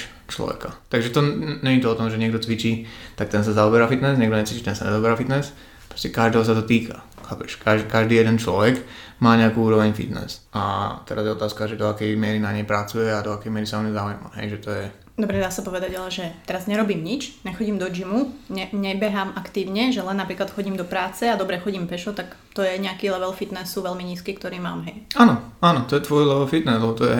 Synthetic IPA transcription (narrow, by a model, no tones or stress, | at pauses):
t͡ʃlɔ̰ʋɛ̰kat̪aɡʒɛt̪ɔɲɛɲit̪ɔɔt̪ɔmʒɛɲɪɛɡ̚d̪ɔt͡sʋit͡ʃiːt̪ak̚t̪ɛnsazaɔbɛɾafit̪nɛsɲɛɡ̚d̪ɔɲɛt͡siːt͡ʃit̪ɛnsaɲɛzaɔbɛɾafit̪nɛs | ppɾɔ̥scɛkaʒd̪ɛːɦɔs̬at̪ɔt̪iːkʰa̰ | xaːpɛʃkaʒkaʒd̪iːjɛd̪ɛnt͡ʃlɔʋɛɡ | maːɲɛakuuːɾɔʋɛɲfḭt̪nɛ̰sʔa̰t̪ɛɾazjɛɔt̪aːskaʒɛd̪ɔakɛjmɪɛɾinaɲɛjpɾat͡sujɛad̪ɔakɛjmɪɛɾisaɔmɛzaujma̰ɦɛ̰jʒɛt̪ɔjɛ | d̪ɔbɾɛd̪aːsapɔʋɛd̪aɟalɛʒɛt̪ɛɾazɲɛɾɔbiːmɲit͡ʃɲɛxɔɟiːmd̪ɔd͡ʒimuɲɛɲɛbɛɦamakt̪iːʊɲɛʒɛlɛnːapɾiːklat̪xɔɟiːmd̪ɔpɾaːt͡sɛad̪ɔbɾɛxɔɟiːmpɛʃɔt̪ak | t̪ɔjɛɲɛakilɛʋɛlfit̪nɛsːuʋɛlmiɲiːskiːkt̪ɔɾiːmaːmɦɛjaːnɔaːnɔt̪ɔjɛt̪ʋɔjlɛʋɛlfit̪nɛzlɛbɔt̪ɔjɛ̰